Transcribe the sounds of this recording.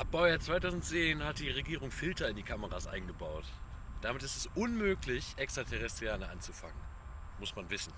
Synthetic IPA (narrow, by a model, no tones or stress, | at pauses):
ʔap̚b̥ɔʊat͡sv̥aɪtaʊzn̩tt͡seːnhat̚d̥iːʁeɡiːʁ̞ʊŋfɪltɐɪndiːkʰaməʁasʔa̰ɪnɡəbaʊtd̥amɪtɪstɛsʔʊnmøːklɪçʔɛkstʁ̥atʰɛʁɛstʁ̥ijaːnəʔa̰nt͡sufaŋənmʊsmanvɪsn̩